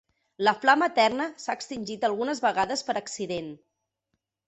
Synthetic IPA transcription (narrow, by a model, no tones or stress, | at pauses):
ləflamət̪ɛrnəsaəkst̪inʲʒit̪əlˠɣunəzβəɣaðəspəɾəksiðen